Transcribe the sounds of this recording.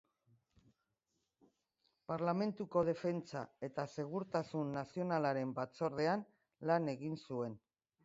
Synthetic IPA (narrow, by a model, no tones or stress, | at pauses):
paɾlame̞nt̪uko̞ð̞e̞fe̞nt͡sae̞t̪ase̞ɣ̞uɾt̪asunːasio̞nalaɾe̞mbat͡so̞ɾð̞e̞an | lane̞ɣinsue̞n